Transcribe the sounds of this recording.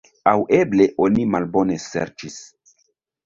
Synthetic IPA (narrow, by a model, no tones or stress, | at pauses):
aweble̞ʔo̞nimalbo̞ne̞sḛɾt͡ʃis